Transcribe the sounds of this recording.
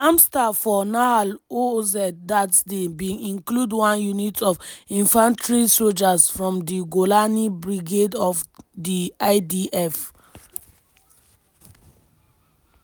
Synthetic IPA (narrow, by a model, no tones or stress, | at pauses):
ãmstafɔnaalozɛdatsdebĩĩnkludwãnjunitʰɔvĩnfãntɹisold͡ʒasfɹɔ̃mdiɡolanibɹiɡedɔvdiaɪdiʔɛf